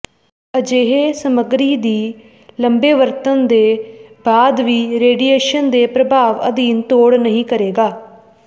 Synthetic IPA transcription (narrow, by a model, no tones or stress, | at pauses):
əd͡ʒeːɦeːsəməɡɾiːd̪iː | ləmbeːʋəɾt̪ənd̪eːbaːd̪ʋiːɾeːɖiːeːʃənd̪eːpɾəbʱaːʋə̰d̪iːnt̪oːɽnəɦĩːkəɾeːɡaː